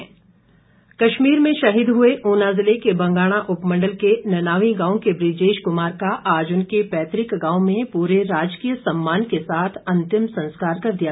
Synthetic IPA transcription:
kɐʃmiːɾmẽʃɐɦiːd̪ɦʊeʔoːnaːzɪlekebɐ̃ŋɡaːɽ̃aʔʊpmɐ̃ɳɖəlkenɐnaːʋiɡãːõkebɾɪd͡ʒeːʃkʊmaːɾkaʔaːd͡ʒʊnkepɛːt̪ɾɪkɡãːw̃mẽpuːɾeɾaːd͡ʒkijəsɐmːaːnkesaːt̪ʰɐ̃nt̪ɪmsɐ̃nskaːɾkɐɾd̪ija

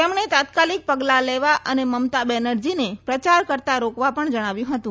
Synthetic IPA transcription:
t̪emɳet̪at̪kalik̚pəɡlaleʋaʔəneməmt̪abɛnəɾd͡ʒinepɾət͡ʃaɾkəɾt̪aɾokʋapəɳd͡ʒəɽ̃aʋjũɦət̪ũ

